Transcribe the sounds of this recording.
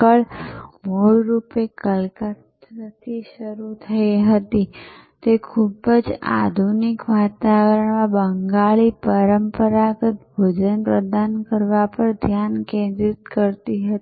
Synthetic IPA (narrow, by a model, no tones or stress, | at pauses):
əɭmoɭɾupekəlkat̪ət̪ʰiʃəɾut̪ʰəiɦət̪i | t̪ekʰubəd͡ʒa̰d̪ʱunikʋat̪aʋəɾəɳmãbəŋɡaɭipəɾəmpəɾakət̪bʱod͡ʒənpɾəd̪ankəɾʋapəɳd̪ʱjankẽnd̪ɾit̪kəɾt̪iɦət̪i